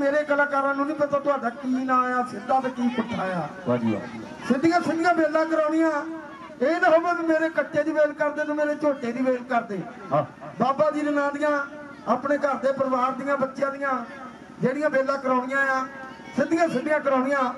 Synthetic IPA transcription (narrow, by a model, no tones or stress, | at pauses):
meːɾeːkəlaːkaːɾãːnũːnĩːpət̪aːt̪ʊaːɖaːkiːnaːjaːsɪd̪aːt̪aːkiːpʊʈʰːaːja̰ː | sɪnd̪ɪjãːsɪd̪ɪjãːbeːlːãːkəɾaːnɪjãː | eːnaɦoːmẽːbiːmeːɾeːkəʈːeːd̪iːbeːlkəɾd̪eːnõːmeːɾeːt͡ʃoːʈeːd̪iːbeːlkəɾd̪eː | baːbãːd̪iːnənãːd̪ɪjãː | aːpneːkəɾd̪eːpəɾʋaːɾd̪ɪjãːbətːʃjãːd̪ɪjãː | d͡ʒeːɽɪjãːbeːlːãːkəɾãːnɪjãːjãː | sɪnd̪ɪjãːsɪd̪ɪjãːkəɾãːnɪjãː